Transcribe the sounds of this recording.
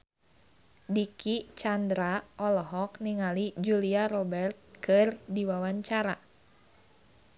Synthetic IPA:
dikit͡ʃandɾaʔɔlɔɦɔkniŋalid͡ʒuliaɾɔbɛrt̪̚kɨrdiwawaɲt͡ʃaɾa

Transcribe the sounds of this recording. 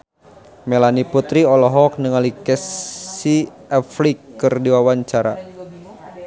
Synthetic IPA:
mɛlaniput̪ɾiɔlɔɦɔk̚nəŋalikɛsi | ɛflikːɨrdiwawaɲt͡ʃaɾa̰

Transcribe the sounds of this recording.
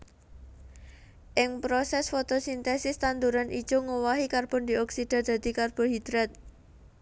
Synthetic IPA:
ʔɪŋpɾosɛsfot̪osint̪ɛsɪst̪and̪uɾanʔḭd̥ʒ̥oŋowaɦikarb̥ɔnd̪iɔksid̪̥a̤rd̪̥a̤d̪̥i̤karb̥ɔɦid̪̥ɾɛt̪̚

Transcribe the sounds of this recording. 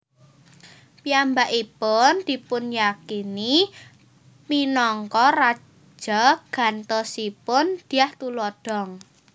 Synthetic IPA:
piambaʔipʊnd̪̥i̤pʊnjakini | minɔŋkɔrḁ | d͡ʒ̥ɔɡ̥a̤nt̪ɔsipʊnd̪̥i̤aht̪ulɔd̥ɔ̤ŋ

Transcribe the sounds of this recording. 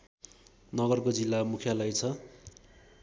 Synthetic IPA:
nʌɡʌrkod͡zilːamukʰjalʌjt͡sʰʌ

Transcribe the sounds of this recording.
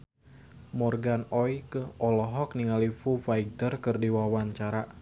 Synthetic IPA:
mɔrɡanɔjkəʔɔlɔɦɔkniŋalifufaiɡ̚tərkɨrdiwawaɲt͡ʃaɾa

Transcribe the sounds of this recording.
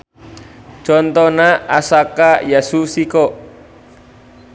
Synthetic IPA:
t͡ʃɔnt̪ɔnaasakajasusikɔ

